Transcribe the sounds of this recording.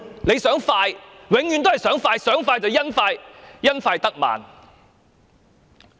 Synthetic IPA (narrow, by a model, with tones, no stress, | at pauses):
ne˨˧jsœː˨˥ŋfaː˧j | wɪ˨˧˥ŋjy˨˧nt̪o˥hɐ˨jsœː˨˥ŋfaː˧jsœː˨˥ŋfaː˧jt͡sɐ˨wjɐ˥nfaː˧jjɐ˥nfaː˧jt̪ɐ˥k̚ma̰ː˨n